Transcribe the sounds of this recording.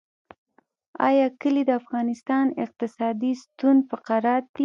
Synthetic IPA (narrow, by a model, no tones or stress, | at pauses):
ɑ̰jɑkəlid̪əafɣɑnɪst̪ɑnɪq̚t̪ɪsɑd̪ist̪und̪fəqaɾɑɾi